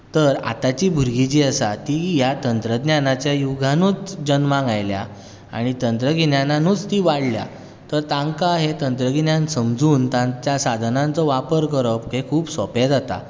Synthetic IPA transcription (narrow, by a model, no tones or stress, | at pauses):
t̪əɾa̰t̪at͡ɕiːbʱuɾɡit͡ɕiːəsat̪iːjat̪ənt̪ɾəd̪njanat͡ɕjajuɡʱanuːt͡sd͡ʑənmãŋɡajlja̰ | a̰ɽ̃it̪ənt̪ɾəɡinjananuːt͡st̪iːʋaɽlja̰ | t̪əɾt̪ãŋkaɦet̪ənt̪ɾəɡinjãnsəmd͡zuːnt̪ãnt͡ɕjasad̪ʱənãnt͡sɔʋapəɾkəɾəpkekʰuːbsɔped͡zat̪a̰